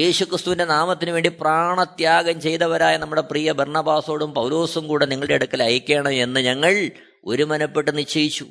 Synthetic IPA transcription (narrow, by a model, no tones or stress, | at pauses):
je̞ːɕukrɨst̪uʋinde̞naːmɐt̪ːinuʋe̞ːɳɖipraːɳɐt̪jaːɡɐmt͡ɕe̞jt̪ɐʋɐɾaːjɐnɐmːuɽe̞priːjɐbɐrɳɐbaːso̞ːɽumpɐwlo̞ːsumkuːɽeniŋːɐɭɽeɐɽukːɐlɐjikʲːeːɳɐe̞nːɨɲɐŋːɐɭ | o̞̰ɾumɐnɐpːe̞ʈːɨnit͡ɕːɐjit͡ɕːu